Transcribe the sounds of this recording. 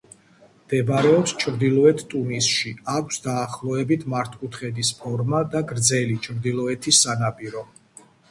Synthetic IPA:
md̪̥ɛbɾɛɔpst͡ʃʰɾd̪ilˠɔɛt̪ʰt̪ʼumisʃiakʷʰsd̪aːχlˠɔɛbit̪ʰmaɾt̪ʰkʼut̪ʰχɛd̪ispʰɔɾmad̪aɡɾd̪zɛlit͡ʃʰɾd̪ilˠɔɛt̪ʰisːanapʼiɾɔ

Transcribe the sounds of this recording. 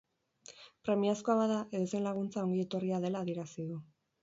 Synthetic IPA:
pɾe̞miaskoaβaðaʔe̞ðose̞nlaɣ̞unt͡sao̞ŋɡie̞t̪o̞riaðe̞laːðie̞ɾasiðu

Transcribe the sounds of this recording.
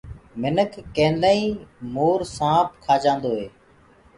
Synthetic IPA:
mɪnəkʰːẽːnlaːĩːmoːɾsãːpkʰaːd͡ʒãːnd̪oːɦeː

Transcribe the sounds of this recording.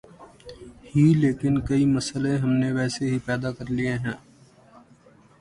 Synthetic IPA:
hileːkɪnkɐimɐsəlẽɦɐmneʋɛːseɦipɛːd̪akɐɾlieɦɛ̃ː

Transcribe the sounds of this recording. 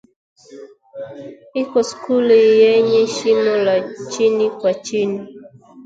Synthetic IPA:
ikɔskulijɛɲɛʃinɔlat͡ʃinikwat͡ʃini

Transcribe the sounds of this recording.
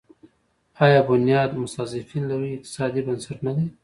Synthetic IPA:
ɑjɑːbʊnijɑːd̪mʊsazɪfinlawiɪq̚t̪ɪ̥sɑd̪ibansaʈnad̪aj

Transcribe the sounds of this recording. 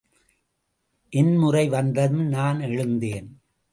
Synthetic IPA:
ʔɪnmʊrɐɪʋɐnd̪ɐmnaːnɛɻɯnd̪eːn

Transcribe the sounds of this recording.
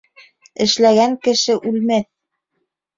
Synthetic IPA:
ɘ̆ʃlæɡæŋkɘ̆ʃɘʔʉlmæθ

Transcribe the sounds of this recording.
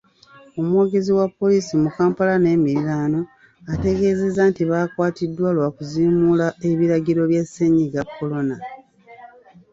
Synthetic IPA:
o̞mwo̞ːɡe̞ziwapːo̞liːsimukaːmpalane̞ːmiɾiɾaːno̞ | ate̞ɡe̞ːze̞zantiβaːkwaːtidːwalwaːkuziːmulaeβiɾaɡiɾo̞βjaseɲiɡakʰːo̞lo̞na

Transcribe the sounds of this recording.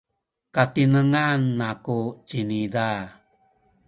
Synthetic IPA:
katinəŋanːakut͡ʃinida

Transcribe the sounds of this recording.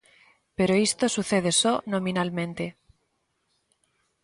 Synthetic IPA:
peɾoist̪osuθeðesonõmĩnalmẽnt̪e

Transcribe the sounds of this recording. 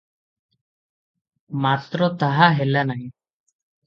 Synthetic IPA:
mat̪ɾɔt̪aɦaɦelanaj

